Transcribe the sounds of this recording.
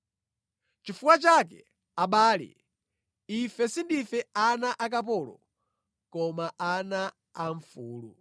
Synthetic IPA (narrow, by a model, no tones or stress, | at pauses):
t͡ʃifuwat͡ʃak̬ɛ̰ | aɓaːlḭ | ifɛsindifɛanaʔak̬apɔlɔ̰ | kɔmaʔana | aɱfuːlu